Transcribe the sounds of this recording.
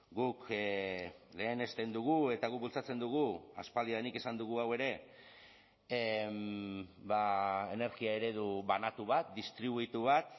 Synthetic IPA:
ɡuk | le̞ːne̞st̪e̞nd̪uɣ̞ue̞t̪aɣuk̚bult͡sat͡se̞nd̪uɣ̞uaspald̪iaðenike̞sand̪uɣ̞uawe̞ɾe̞ | bae̞ne̞ɾkiae̞ɾe̞ðuβanat̪uβat̪̚d̪ist̪ɾiβuit̪uβ̞at̪

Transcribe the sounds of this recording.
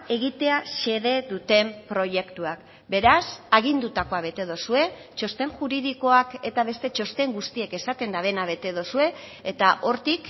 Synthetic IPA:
e̞ɣit̪e̞aʃe̞ðe̞ðut̪e̞mpɾo̞je̞kt̪uak | be̞ɾasaɣ̞ind̪ut̪ako̞aβe̞t̪e̞ð̞o̞sue̞ | t͡ʃo̞st̪e̞ŋʝuɾið̞iko̞ake̞t̪aβ̞e̞st̪e̞t͡ʃo̞st̪e̞ŋɡust̪ie̞ke̞sat̪e̞nd̪aβe̞naβ̞e̞t̪e̞ð̞osue̞ː | t̪aʔo̞ɾt̪ik

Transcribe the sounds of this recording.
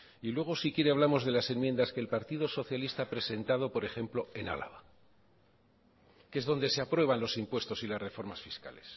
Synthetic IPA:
ilwe̞ɣ̞o̞sikje̞ɾe̞aβlamo̞zðe̞lase̞nmje̞nd̪askeːlpaɾt̪iðo̞so̞θjalist̪aapɾe̞se̞nt̪að̞o̞po̞ɾe̞xe̞mplo̞e̞na̰la̰βa | kee̞zðo̞nd̪e̞se̞apɾwe̞β̞anlo̞simpwe̞st̪o̞silasre̞fo̞ɾmasfiska̰le̞s

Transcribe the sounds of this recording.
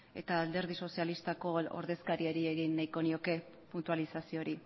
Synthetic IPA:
e̞̰t̪aːld̪e̞ɾð̞iso̞sialist̪ako̞o̰ɾðe̞skaɾie̞ɾie̞ɣinːajko̞nio̞ke̞ | punt̪ualisasio̞ɾi

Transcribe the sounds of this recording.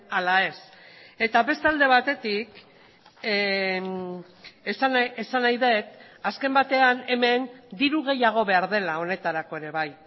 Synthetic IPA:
alae̞se̞t̪aβe̞st̪ald̪e̞βat̪e̞t̪ik | sesanajðe̞t̪aske̞mbat̪e̞ane̞me̞nd̪iɾuɣ̞e̞jaɣ̞o̞βe̞aɾðe̞lao̞ne̞t̪aɾako̞e̞ɾe̞βaj

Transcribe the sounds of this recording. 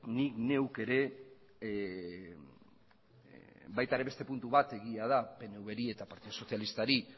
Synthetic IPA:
nikne̞wke̞ɾe̞ | bajt̪aɾe̞βe̞st̪e̞punt̪uβat̪e̞ɣ̞iað̞ape̞ne̞uβe̞ɾie̞t̪apaɾt̪iðoso̞θjalist̪aɾi

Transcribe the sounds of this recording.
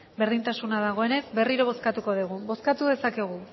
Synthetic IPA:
be̞ɾðint̪asunaðaɣ̞o̞e̞ne̞zbe̞riɾo̞βo̞skat̪uko̞ðuɣ̞ubo̞skat̪uðe̞sake̞ɣ̞u

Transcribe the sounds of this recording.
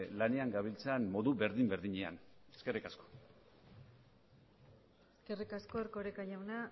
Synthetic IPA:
lane̞aŋɡaβ̞ilt͡sanmo̞ðuβe̞ɾðimbeɾðiɲea̰neske̞rikasko̥ | eske̞rikasko̞eɾko̞ɾekaʝawna

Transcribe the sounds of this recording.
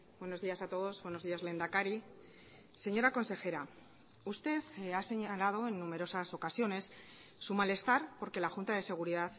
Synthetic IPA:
bwe̞no̞zðiasat̪o̞ðo̞zβwe̞no̞zðiazle̞nd̪akaɾi | se̞ɲo̞ɾako̞nse̞xe̞ɾa | ust̪e̞θase̞ɲalað̞o̞e̞nːumeɾo̞saso̞kasjo̞ne̞sː | umale̞st̪aɾpo̞ɾke̞laxunt̪aðe̞se̞ɣ̞uɾiðaθ

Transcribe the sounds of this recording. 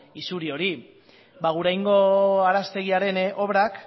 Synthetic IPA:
isuɾio̞ɾi | baɣuɾajŋɡo̞aɾast̪e̞ɣ̞iaɾe̞nʔo̞βɾak

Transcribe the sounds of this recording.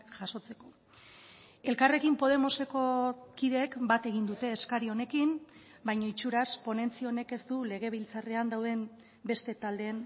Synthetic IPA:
ʝaso̞t͡se̞ko̞ | e̞lkare̞kimpo̞ð̞e̞mo̞se̞ko̞kiðe̞kbat̪e̞ɣind̪ut̪e̞ːskaɾio̞ne̞kim | bajɲoit͡ʃuɾaspo̞ne̞nt͡sio̞ne̞ke̞st̪ule̞ɣ̞e̞βilt͡sareand̪awðe̞m | be̞st̪e̞t̪ald̪e̞n

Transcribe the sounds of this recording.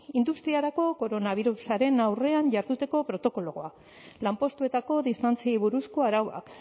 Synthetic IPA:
ind̪ust̪ɾiaɾako̞ko̞ɾo̞naβ̞iɾusaɾe̞nawre̞aɲʝaɾðut̪e̞ko̞pɾo̞t̪o̞ko̞loɣoa | lampo̞st̪ue̞t̪ako̞ðist̪ant͡siejβuɾusko̞aɾawa̰k

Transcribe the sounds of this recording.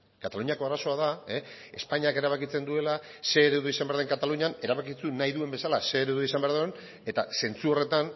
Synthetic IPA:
kat̪aluɲiako̞aɾaso̞aðae | espaɲiake̞ɾaβakit͡se̞nd̪ue̞lase̞ːɾewðoisambeɾðe̞ŋkat̪aluɲane̞ɾaβakit͡sunajðue̞mbe̞salase̞ːɾeðeisambeaɾðuen | e̞t̪a̰se̞nt͡suo̞re̞t̪an

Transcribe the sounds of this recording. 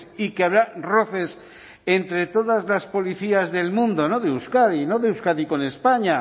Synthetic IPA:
sikeaβɾaro̞θes | ent̪ɾe̞t̪o̞ðazlaspo̞liθiazðe̞lmũnd̪o̞no̞ðeuskaðinoðeuskaðiko̞ne̞spaɲa

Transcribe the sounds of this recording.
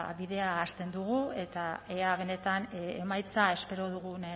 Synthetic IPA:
βiðe̞aːst̪e̞nd̪uɣue̞t̪ae̞aβ̞e̞ne̞t̪anemajt͡sae̞spe̞ɾo̞ð̞uɣun

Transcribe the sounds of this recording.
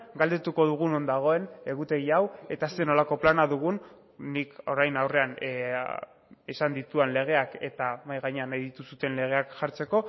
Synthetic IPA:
ɡald̪e̞t̪uko̞ð̞uɣuno̞nd̪aɣ̞o̞e̞ne̞ɣut̪e̞ɣiawe̞t̪aseno̞lako̞planaðuɣ̞unː | iko̞ɾajnawre̞an | esand̪it̪uenle̞ɣ̞e̞ake̞̰t̪amajɣaɲe̞anajðit̪usut̪e̞nle̞ɣ̞e̞akʝaɾt͡se̞ko̞

